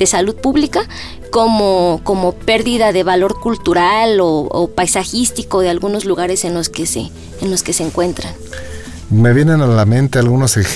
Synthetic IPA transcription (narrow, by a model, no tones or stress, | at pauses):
e̞saluð̚puβlika | ko̞moko̞mo̞pe̞ɾðiðaðe̞βalo̞ɾkult̪uɾaloo̰pajsaxist̪iko̞ðe̞alɣuno̞zluɣaɾe̞se̞nlo̞ske̞sḛː | nlo̞ske̞seːŋkwe̞nt̪ɾan | meβje̞nenalamẽ̞nt̪ealɣunosex